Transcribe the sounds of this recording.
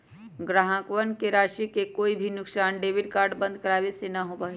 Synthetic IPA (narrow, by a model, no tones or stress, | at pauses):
ɡɾaːɦãkʋənkeɾaːʃikekoːibʱinʊksaːnɖeːʋɪɖkaːɾɖbɐ̃nd̪̚ʱkɐɾaːʋesenaɦopaːe